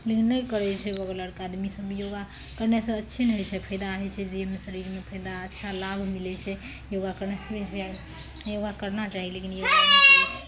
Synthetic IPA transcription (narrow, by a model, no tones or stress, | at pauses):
lekinːəkəɾɛt͡ʃʰɛbəɡləɾkad̪misəbijoɡa | kəɾnesə̃ətːʃʰinɦojt͡ʃʰɛpʰəjd̪aɦɛt͡ʃʰɛd͡ʒimesəɾiɾmepʰəjd̪aətːʃʰalabʱmilɛt͡ʃʰɛ | joɡakəɾnɛsəbʱiɦa | joɡakəɾnat͡ʃaɦilekinjoaɡaənat͡ʃəɛt͡ʃʰɛ